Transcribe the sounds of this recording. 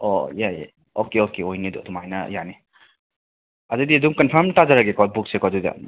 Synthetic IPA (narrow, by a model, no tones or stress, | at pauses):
o̰jaja̰ | okeokeojnidɔ̰dɔmajnɐ̰jane | adɯdiɐduŋkɐnpʰɐɾmtazaɾaɡekat̚buk̚sekaduda̰